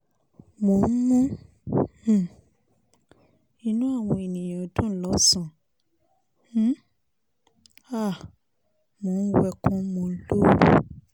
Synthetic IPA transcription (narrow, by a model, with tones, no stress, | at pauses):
mo˨˦n̩˦mũ˦˨ | i˧nũ˦a˦˨w̃ɔ̃˧e˨nĩ˨jã˨dɔ̃˦lɔ˨˦sã˦˨˦ | a˦˨ | mo˨˦n̩˦wɛ˧kɔ̃˦mõ˧˦lo˦wu˦˨